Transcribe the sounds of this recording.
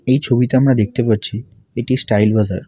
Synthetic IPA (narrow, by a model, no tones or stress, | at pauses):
eit͡ʃʰobit̪eamɽ̃ãd̪ekʰt̪epəɾt͡ʃʰi | eʈisʈailʋəzə̰ɾ